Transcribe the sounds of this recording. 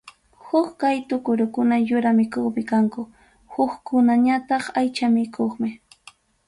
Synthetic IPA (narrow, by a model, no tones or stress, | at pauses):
hʊkkajt̪ʊkʊɾʊkʊnajʊɾamɪkoχmɪkaŋkʊ | hʊkkʊnaɲat̪ɑχajt͡ʃamɪkʰoχmɪ